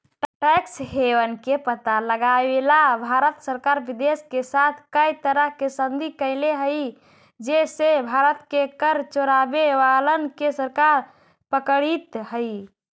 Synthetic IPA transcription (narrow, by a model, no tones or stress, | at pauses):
ʈaksɦewənkepət̪aləɡaelabʱaɾət̪səɾkaɾbid̪eskesat̪ʰkəjt̪əɾəɦkesənd̪ʱikəɪleɦəj | d͡ʒesebʱaɾət̪kekəɾt͡ʃoɾabeʋalənkesəɾkaɾ | pəkəɽit̪ɦəj